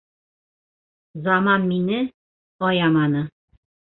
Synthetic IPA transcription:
zɑmɑnminɘ | ɒjɑmɑnɤ

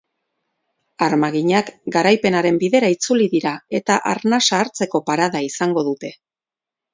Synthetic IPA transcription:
aɾmaɣiɲakɡaɾajpe̞naɾe̞mbiðe̞ɾait͡suliðiɾae̞t̪aʔaɾnasaɾt͡se̞ko̞paɾaðaisaŋɡo̞ðut̪e̞

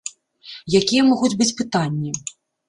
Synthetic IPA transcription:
jakʲijɛmɔɣud͡zʲbɨt͡sʲpɨt̪anʲːi

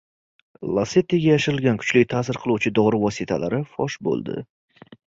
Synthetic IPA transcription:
lˠaset̪iɡʲajaʃɪɾɪlɡʲankʰʊ̥t͡ʃlɪjt̪ʰasɪɾqʰɨlˠuwt͡ʃʰɪd̪ɒɾɪvɒsit̪ʰala̰ɾɪfɒʃbo̰lˠd̪ɪ̰

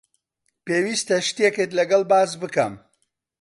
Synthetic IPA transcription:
peːwiːst̪ɐʃt̪eket̪lɐɡɐlˠbaːzbɨkɐm

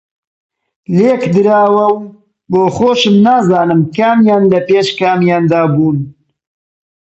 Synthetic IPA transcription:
leːkd̪ɨɾaːwɐw | boːxoːʃɨmnaːzaːnɨmkaːmjaːnlɐpeːʃkaːmjaːnd̪aːbuːn

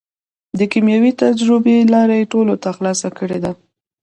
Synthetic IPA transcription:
d̪əkimjawit̪ad͡ʒɾəbelɑɾajeʈolot̪axlɑsakəɽed̪a

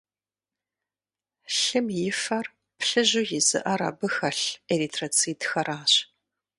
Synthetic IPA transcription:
ɬɨmjɪfɐr | pʰɬɨʑujɪzɨ̰ʔɐɾa̰ːbɨxɐɬeritʰrɐt͡sʰiːtxɐraːɕ

